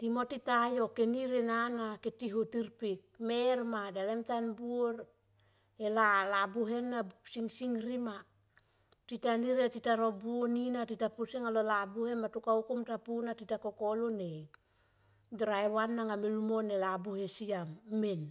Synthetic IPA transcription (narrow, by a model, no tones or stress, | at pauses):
timo̞titajo̞keniɾenanaketiɦutiɾpik̚meɾmadalemtanbuoɾ | elalabuɦe̞nːabusiŋsiŋɾima | titaniɾetitaɾobuoninatitapusiŋalolabuhe̞nmatukaukumtapunatitako̞kolone | dɾaewanːaŋamelumonelabuhesiamːen